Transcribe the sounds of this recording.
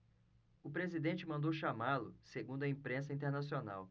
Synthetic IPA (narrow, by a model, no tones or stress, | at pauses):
ʊpɾezid̪ẽnt͡ʃɪmɐ̃nd̪owʃamalʊseɡũnd̪ʊɐĩpɾẽs̬ɐĩnt̪eɾnasiona̰w